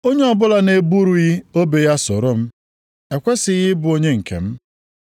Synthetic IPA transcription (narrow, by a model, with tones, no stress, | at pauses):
o˦ɲe˦ɔ˨bʊ˦la˨ne˨bu˦ɾu˦ɣi˦o˦be˨ja˦sʊ̰˨ɾʊ˦m̩˦ | e˨kʷe˦sɪ˨ɣɪ˦bʊ˨o˦ɲe˦ŋ̩˨kʰḛ˨m̩˦